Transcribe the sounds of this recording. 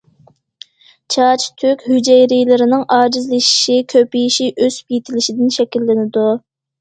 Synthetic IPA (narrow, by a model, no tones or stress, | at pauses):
t͡ʃʰɑt͡ʃʰt̪ʰykʲhyd͡ʒɛjɾijlɪɾɪnɪŋɑːd͡ʒizlɪʃi̥ʃikʲʰøpijiʃiʔøz̥p̚jet̪ʰɪlɪʃid̪ɪnʃɛkʲilːɪnɪd̪u